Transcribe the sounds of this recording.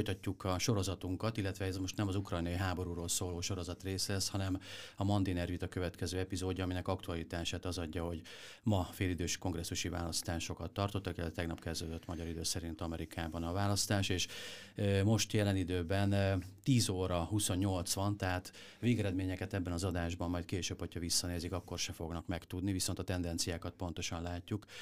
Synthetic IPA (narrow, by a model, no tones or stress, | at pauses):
fojt̪ɒcːukɒʃo̞ɾo̞zɒt̪uŋkɒt̪ilːɛt̪ʋɛɛzmo̞ʃt̪nɛmɒzukrɒjnɒiɦaːbo̞ɾuɾoːlsoːloːʃo̞ɾo̞zɒt̪reːslɛshɒnɛmɒmɒnd̪inɛrvit̪ɒkøvɛt̪kɛzøːɛpizoːɟɒːminɛkɒkt̪uɒlit̪aːʃaːt̪ɒzɒɟːɒɦo̞ɟ | mɒfeːlid̪øːʃko̞ŋɡrɛsːuʃiva̰ːlɒst̪aːʃo̞kɒt̪ːɒrt̪o̞t̪ːɒkilɛt̪ɛt̪ɛɡnɒpkɛzd̪øːd̪øt̪ːmɒɟɒɾid̪øːsɛɾint̪ɒmɛɾikʰaːbɒnɒvaːlɒst̪aːʃeːʃ | mo̞ʃt̪jɛlɛnid̪øːbɛnt̪iːzoːɾɒhusonːo̞lt̪sʋɒnt̪ɛɦaːt̪ | veːɡɛɾɛd̪meːɲɛkɛt̪ɛbːɛnɒzɒd̪aːʒbɒmːɒjt̪̚keːʃøːbho̞cʰhɒvisːɒneːzikɒkːo̞rʃɛfo̞ɡnɒkmɛkt̪ud̪niviso̞nt̪ɒt̪ɛnd̪ɛnt̪sijaːkɒt̪̚po̞nt̪o̞ʃɒnlaːcːuk